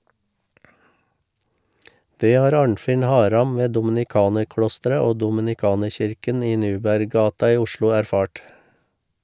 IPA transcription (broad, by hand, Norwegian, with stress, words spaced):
ˈdeː ˈhɑːɾ ˈɑːɳfɪn ˈhɑːɾɑm ˈʋeː dʊmɪnɪˈkɑːnəɾˌklɔstəɾə ˈoː dɔmɪnɪˈkɑːnəɹˌçɪɾkən ˈiː ˈnʉːbæɾˌɡɑːtɑ ˈiː ˈʊʃlʊ æɾˈfɑːʈ